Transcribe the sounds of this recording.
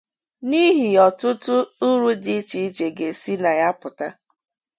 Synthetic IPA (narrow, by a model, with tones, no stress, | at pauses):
ni˦ɦi˨ɔ˨tʊ˦tʊ˦ʊ˦ɾu˦di˦t͡ʃi˨˦t͡ʃe˨ɡe˨si˦na˨ja˦pʊ˨ta˦